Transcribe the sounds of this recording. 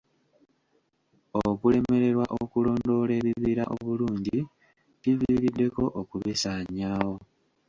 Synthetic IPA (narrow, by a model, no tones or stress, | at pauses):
okule̞me̞ɾe̞ɾwaʔokulo̞ːndo̞le̞ːβiβiːɾaʔoβuluːɲɟi | tiviɾidːe̞ko̞ʔokuβesaɲaːwo̞